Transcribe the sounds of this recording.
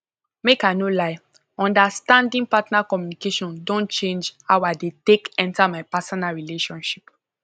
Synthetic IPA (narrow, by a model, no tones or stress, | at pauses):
mekanolaɪ | ɔ̃ndastãndĩŋpatnakɔmjunikeʃɔ̃ndõnt͡ʃẽnd͡ʒawadetekɛ̃ntamaɪpasɔnaɹileʃɔ̃nʃi̥p